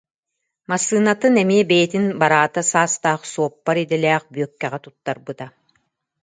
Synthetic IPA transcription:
masːɯːnat̪ɯnɛmiɛbɛjɛt̪inbaɾaːt̪asaːst̪aːχsuɔpːaɾid̪ɛlɛːχbyœkːɛʁɛt̪ut̪ːaɾbɯt̪a

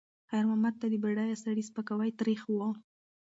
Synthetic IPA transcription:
xajɾmamad̪̚t̪ad̪əbeɽɑjasaɽispakawajt̪ɾixwɑl

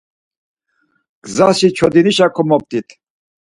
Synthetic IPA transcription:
ɡ̥zaʃit͡ʃʰɔd̪iniʃakʰɔmɔp̚t̪ʼit̪ʰ

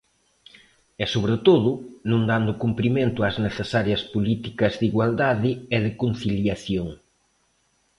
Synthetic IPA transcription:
ɛsoβɾet̪oðʊnõŋd̪and̪ʊkumpɾimẽnt̪ʊazneθesaɾjɐspolit̪ikɐzðiɣwald̪aðɪɛðɪkon̟θiljaθjoŋ

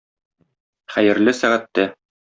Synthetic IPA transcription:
χæjɘ̆ɾlɘsæʁæt̪ːæ

